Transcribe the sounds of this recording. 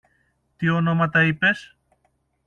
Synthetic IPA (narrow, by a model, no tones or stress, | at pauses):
t̪io̞no̞mɐt̪ɐipe̞s